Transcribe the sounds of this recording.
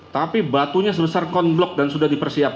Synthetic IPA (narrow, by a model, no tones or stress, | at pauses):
t̪apibat̪uɲas̬əbəsarkɔnblɔk̚dansudahdipərsiap̚